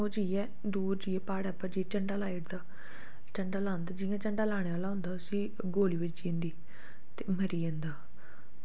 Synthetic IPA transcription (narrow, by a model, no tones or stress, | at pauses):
oːd͡ʒiːɛː | d̪uːɾd͡ʒiːɛːpaːɽɛːpːəɾd͡ʒiɛt͡ʃəɳɖaːlaːiʈd̪aː | t͡ʃəɳɖaːlaːnd̪aːd͡ʒɪjãːt͡ʃəɳɖaːlaːɽ̃eːʋaːlaːɦʊ̃ːnd̪aːʊsĩː | ɡoːliːʋɪt͡ʃd͡ʒĩːnd̪iː | t̪eːməɾiːẽːnd̪aː